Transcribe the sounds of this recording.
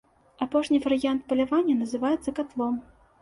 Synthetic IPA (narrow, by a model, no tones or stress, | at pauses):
apɔʂnʲivɐɾɨjant̪̚pɐlʲavanʲːɐnɐzɨvajɛt̪sɐkat̪lˠɔm